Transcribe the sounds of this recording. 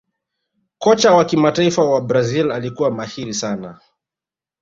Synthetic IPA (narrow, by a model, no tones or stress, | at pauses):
kɔt͡ʃawakimataifawabɾazilalikuwamahiɾisana